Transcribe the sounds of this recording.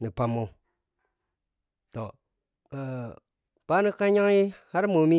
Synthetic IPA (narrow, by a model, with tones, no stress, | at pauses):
ni˨pa˨mːo˨ | to˨ | pa˦ni˦ka˦ɲa˦ŋi˦ha˦ɾmo˨˦mi˦